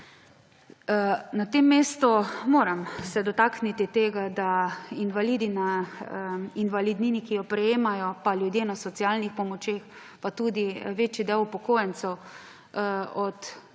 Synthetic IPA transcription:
nat̪emːeːst̪ɔmoːɾamsɛd̪ɔt̪aknit̪it̪eːɡad̪ainʋaliːd̪ina | inʋalid̪ninikijɔpɾɛjeːmajɔpaljud̪jeːnasɔt̪siaːlnixpɔmɔt͡ʃeːx | pat̪uːd̪iʋeːt͡ʃid̪ɛwupɔkoːjɛnsɛw | ɔt̪

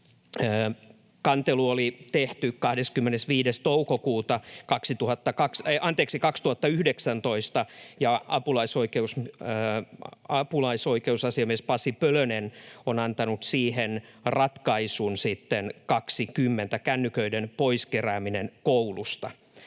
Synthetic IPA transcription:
kɑnt̪eluolit̪eht̪ykkɑhdeskymːenesʋiːdest̪oukokuːt̪ɑkɑksit̪uhɑt̪ːɑkɑksʔɑnt̪eːksikɑkst̪uhɑt̪ːɑyhdeksænt̪o̞ist̪ɑjɑɑ̰pulɑisoikeus | ɑpulɑisoikeusɑsiɑmiespɑsipølønenonɑnt̪ɑnut̪siːhenrɑt̪kɑisunsit̪ːenkɑksikymːent̪ækænːykøidenpoiskeɾæːminenkoulust̪ɑ

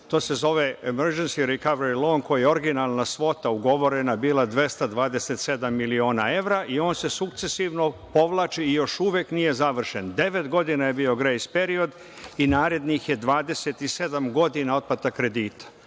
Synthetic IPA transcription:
t̪o̞ːse̞zo̞ʋeemeɾd͡ʒensiɾikaʋeɾilˠoːŋko̞jijeo̞ɾɡinalˠnasʋo̞t̪auɡo̞ʋo̞ɾenabiːlˠad̪ʋe̞st̪ad̪ʋaːd̪eset̪se̞d̪amːilio̞ːnae̞ʋɾaʔio̞ːnse̞sukt̪se̞siʋno̞po̞ʋlˠaːt͡ʃiijo̞ʃuʋjeknije̞zaʋr̩ʃend̪e̞ʋe̞t̪ɡo̞d̪inaje̞bio̞ɡɾejspe̞ɾio̞d̪ | inaːɾe̞d̪nixje̞d̪ʋaːd̪e̞set̪ise̞d̪amɡo̞d̪inao̞d̪̚pat̪akɾe̞d̪iːt̪ḁ

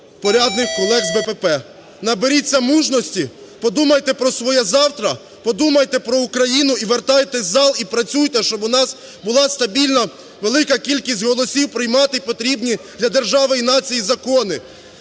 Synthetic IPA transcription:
pɔɾʲɑd̪nɪxkɔlˠɛɡzbɛpɛpɛ | nɐbeɾʲit͡sʲːɐmuʒnɔsʲtʲi | pɔd̪umɐjt̪ɛpɾɔsʋɔjɛzɑwt̪ɾɐ | pɔd̪umɐjt̪ɛpɾɔukɾɐjinʊiʋert̪ɑjet̪ɛzʲzɑlˠipɾɐt͡sʲujt̪ɛʃt͡ʃɔbʊnɑs | bʊlˠɑst̪ɐbʲilʲnɐ | ʋelˠɪkɐkʲilʲkʲisʲtʲɦɔlˠɔsʲiwpɾɪjmɑt̪ɪpɔt̪ɾʲibnʲid̪lʲɐd̪erʒɑʋɪjinɑt͡sʲijizɐkɔnɪ

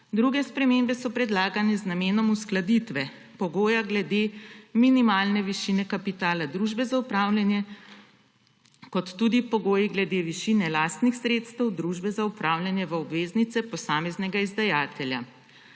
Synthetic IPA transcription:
d̪ɾuɡɛspɾɛmeːmbɛsɔpɾɛd̪laːɡanɛznameːnɔmusklad̪it̪ʋɛ | pɔɡoːjaɡlɛd̪eminimaːlnɛʋiʃinɛkapit̪aːlad̪ɾuʒbɛzaupɾaːwljanjɛ | kɔt̪ːuːd̪ipɔɡoːjiɡlɛd̪eʋiʃiːnɛlaːst̪nixsɾeːt̪st̪ɛwd̪ɾuːʒbɛzaupɾaːwljanjɛʋɐɔbʋeːznit̪sɛpɔsaːmɛznɛɡaizd̪ajaːt̪ɛlja̰

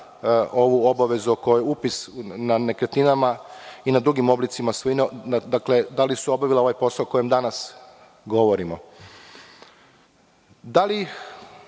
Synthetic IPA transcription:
o̞ʋuo̞baʋe̞zuoko̞jojeupisnane̞kɾet̪ninamainad̪ɾuɡimo̞blit̪simasoinod̪akle̞d̪alisuo̞baʋilao̞ʋajpo̞saoko̞jemd̪anas | ɡo̞ʋo̞ɾimo | d̪ali

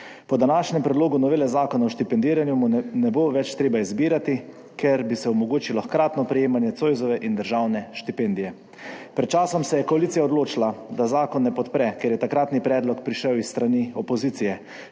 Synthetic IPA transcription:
pɔd̪anaːʃnʲɛmpɾɛd̪loːɡunɔʋeːlɛzaːkɔnaɔʃt̪ipɛnd̪iːɾanjumunɛboʋɛt͡ʃt̪ɾeːbaizbiːɾat̪i | kʰɛɾbisɛɔmɔɡoːt͡ʃilɔxkɾaːt̪nɔpɾɛjeːmanjɛt̪soːjzɔʋɛʔind̪əɾʒaːwnɛʃt̪ipend̪ijɛ | pɾɛt̪̚t͡ʃaːsɔmsɛjɛkɔaliːsijaɔd̪loːt͡ʃilad̪azaːkɔnːɛpɔt̪pɾɛkeɾjɛt̪akɾaːt̪nipɾɛːd̪lɔkpɾiʃɛwisːt̪ɾaniɔpɔziːt̪sijɛ

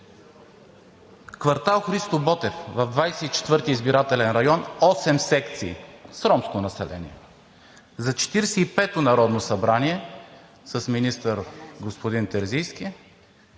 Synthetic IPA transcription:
kvɐɾt̪alˠxɾist̪obɔt̪ɛfvɐvd̪vajsɛit͡ʃɛ̥t̪vɤɾt̪iːzbiɾat̪ɛlɛnɾɐjɔnɔsɛmsɛkt̪sḭːsɾɔmskonɐsɛlʔɛ̰nḭɛ | zɐt͡ʃɛ̥t̪iɾɛsɛipɛt̪onɐɾɔd̪nosɐbɾaniɛ | səsminist̪əɾɡospod̪int̪ɛɾzijsk̟i

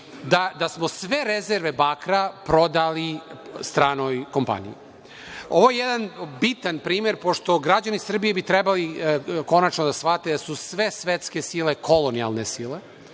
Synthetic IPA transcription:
d̪ad̪asmo̞sʋe̞ɾezeɾʋe̞baːkɾapɾo̞d̪alist̪ɾaːnojko̞mpa̰nḭji | oʋojejed̪anbit̪anpɾiːme̞ɾpo̞ʃt̪o̞ɡɾad͡ʑanisr̩bijebit̪ɾebaliko̞nat͡ʃnod̪asfat̪ed̪asusʋe̞sʋet̪ske̞sile̞kʰo̞lonia̰lˠne̞sile̞

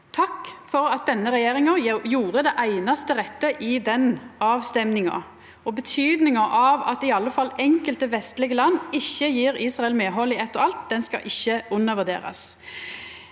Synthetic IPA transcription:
t̪ʰɑkːfɔɾɑt̪̚d̪ɛnːəʁɛjeːɾɪŋəjuːɾəd̪ɛʔæɪnɑst̪əʁɛt̪ːəʔɪd̪ɛnɑːʋst̪ɛmnɪŋɑ̰ | ɔbət̪ʰyːd̪nɪŋəʔɑʋɑt̪ɪɑlːəfɑlːɛŋkəlt̪əʋɛst̪lɪɡəlɑnːɪçːəjiːɾiːsʁɑɛlmeːɦɔlːiɛt̪ːɔɑlt̪̚d̪ɛnskɑ̰ʔɪçːəʉnːəʁʋʉd̪ḛːɾɑ̰s

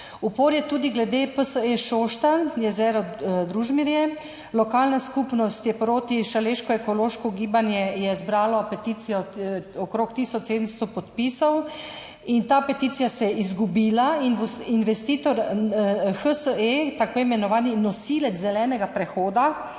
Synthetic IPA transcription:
upoːɾjɛt̪uːd̪iɡlɛd̪epəsəeʃoʃt̪anjɛzɛɾɔd̪ɾuʒmiɾjɛ | lɔkaːlnaskupnɔst̪jɛpɾoːt̪iʃaleʃkɔɛkɔloːʃkɔɡiːbanjɛjɛzbɾaːlɔpɛt̪iːt̪sijɔɔkɾoːkt̪isɔt͡ʃsed̪ənst̪ɔpɔt̪pisɔw | int̪aːpɛt̪it̪sijasɛɛizɡubiːlaininʋɛst̪iːt̪ɔɾ | xəsəet̪akoːjimɛnɔʋaːninɔsilɛd͡z̪zɛlɛːnɛɡapɾɛxoːd̪a

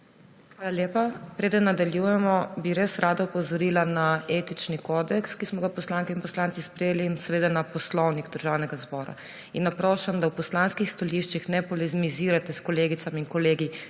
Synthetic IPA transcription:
xʋaːlaljeːpapɾeːd̪ənːad̪aljujɛmɔbiɾesɾaːd̪aupɔzɔɾiːlanaeːt̪it͡ʃnikɔːd̪ɛkskismɔɡapɔslaŋkɛinpɔslant̪ispɾɛjeːlinsɛʋeːd̪anapɔslɔwniɡd̪əɾʒaːwnɛɡazbɔːɾa̰ | inːapɾɔːʃamd̪awpɔslanskixst̪aliʃt͡ʃixnɛpɔlɛzmiziːɾat̪ɛskɔleːɡit̪samiŋkɔleːɡi

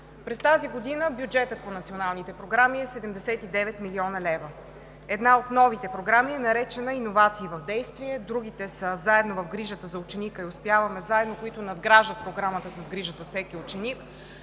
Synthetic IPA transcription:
pɾɛst̪aziɡod̪inəbjud͡ʒɛt̪ət̪̚ponɐt̪sionalˠnit̪ɛpɾoɡɾamiɛsɛd̪ɛmd̪ɛsɛt̪id̪ɛvɛt̪miliɔnɐlɛvə | ɛd̪naot̪nɔvit̪ɛpɾoɡɾamiɛnɐɾɛt͡ʃɛnəinovat̪siːvɐvd̪ɛjst̪viɛd̪ɾuɡ̟it̪ɛsəzaɛd̪novɐfɡɾiʒət̪əzɐʊt͡ʃɛnikəiʊspjavɐmɛzaɛd̪nokoit̪ʊnɐd̪ɡɾaʒət̪̚pɾoɡɾamət̪əsɐsɡɾiʒəzɐfsɛkiʊt͡ʃɛnik

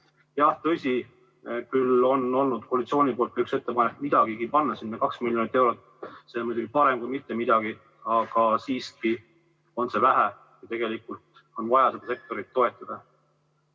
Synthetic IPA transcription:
jɑht̪ɤ̞sʲi | kylo̞no̞lnud̪̥kolit̪sio̞ːnʲipolt̪kɑykse̞t̪ːe̞pɑnek̪ːmid̪̥ɑɡ̥iɡipɑnːɑsinːekɑksmiljo̞nit̪ːˑewɾo̞t̪ːˑ | semujd̪uɡipɑɾe̞mkujmit̪ˑːe̞mid̪ɑɡ̥i | ɑɡ̥ɑsiːski | o̞nse̞væɦæ | jɑt̪e̞ɡ̥e̞likult̪ | o̞nvɑjɑse̞d̪̥ɑse̞k̚t̪o̞ɾit̪ːo̞e̞t̪ːˑɑd̪̥ɑ

